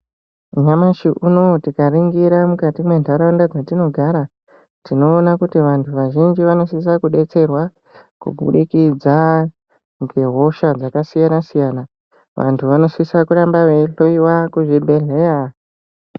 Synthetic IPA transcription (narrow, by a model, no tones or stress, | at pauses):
ɲamaʃiʔuno̞tikariŋɡiɾamukatimwe̞ndʱaɾandad͡zatino̞ɡʱaɾa | tino̞ːnakutiʋantʰuʋaʒind͡ʒiʋano̞sis̬akuɗe̞t͡se̞rwa | kṵbʱṵɗikid͡za | ŋɡeɦo̞ʃad͡zakasijanasijaːna | ʋa̰ntʰuʋano̞sisakuɾambaʋe̞ɬoiwakuʐibʱe̞ɮe̞ja